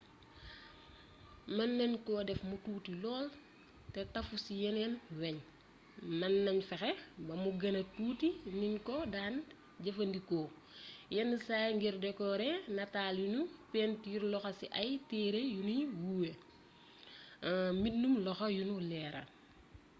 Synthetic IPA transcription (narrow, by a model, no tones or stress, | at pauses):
mɐnːɛnkɔːdɛfmutuːtilɔːl | tɛtɐfusijɛnɛnwɛɲ | mɐnːɐɲfɛxɛbɐmuɡɐnɐtuːtininkɔdaːn | ɟɐfɐndikɔː | jɛnːisaːjŋɡiɾdɛkɔɾɛnɐtaːljunupɛːntiiɾlɔxɐsiʔɐjtɛːɾejuniwuːwe | mitnumlɔxɐjunulɛːɾɐ̰